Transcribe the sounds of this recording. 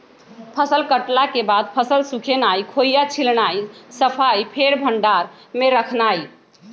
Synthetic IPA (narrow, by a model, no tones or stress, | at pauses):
pʰəsəlkəʈlakebad̪̚pʰəsəlsukʰenajkʰojat͡ʃʰilnajsəpʰajpʰeɾbʱəɳɖaɾ | meɾəkʰnaj